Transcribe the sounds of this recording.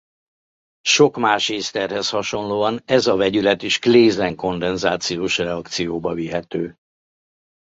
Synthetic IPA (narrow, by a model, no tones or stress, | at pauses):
ʃo̞kmaːʃeːst̪ɛrhɛshɒʃo̞nloːɒnɛzɒvɛɟylɛt̪iʃkleːzɛŋko̞nd̪ɛnzaːt̪sijoːʃrɛɒkt̪sijoːbɒviɦɛt̪øː